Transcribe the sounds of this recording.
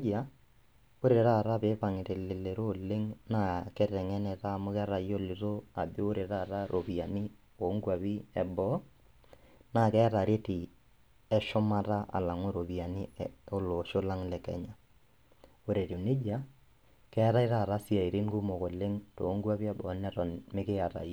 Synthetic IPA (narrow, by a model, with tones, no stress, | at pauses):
a˦ | o˦ɾe˨ɾa˦˨ɾa˦pe˨˦pa˨ŋɪ˨te˨lɪ˨le˨ɾo˦le˦ŋna˦kɛ˦ɾɛ˨ŋɛ˦nɛ˨ta˦˨mʊ˦kɛ˦ɾa˨jo˦lɪ˨ɾo˦a̰˨be˦o˦ɾe˨ɾa˦˨ɾa˦ɾʔo˨bi˨a˨ni˦ | o˨˦ŋɡwa˨bi˦ɛ˨bɔ˦ | na˦˨kɛ˦ta˨ɾe˦ti˨ | ɛ˨ʃʊ˦ma˦ta˦ʔa̰˨la˨ŋo˦ɾo˨bi˨a˨ni˦o˦lo˨ʃʊ˦la˦ŋlɛ˨kɛ̰˨ɲa˨ | o˦ɾe˨ɾi˨nɪ˦d͡ʒa˦ | kɛ˦a˦ɾa˦i˦ɾa˨ɾa˦si˦a˨i˨ɾi˦ŋɡu˦mo˨ko˨le˦ŋto˨˦ŋɡwa˦pi˦ɛ˨bɔ˨˦nɛ˦tɔ˨nmɪ˦kɪ˦a˨ta̰˨jɔ˦